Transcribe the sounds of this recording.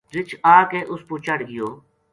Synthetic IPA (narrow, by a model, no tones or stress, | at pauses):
ɾɪt͡ʃʰaːkeːʔʊspʊːt͡ʃəɽɡɪjoː